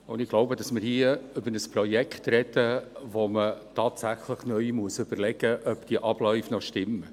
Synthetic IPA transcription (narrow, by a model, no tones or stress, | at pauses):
ʊnd̥ɪɡ̥loʊbədɑsmɪɾhiəʏbəɾəspɾɔjɛkχt̪ɾɛd̥əʋomətʰɑːtsæχləχnœʏmuəsʏb̥ərlɛɡ̥əʔœpd̥iəʔɑb̥lœʏfnɔʃtɪmːə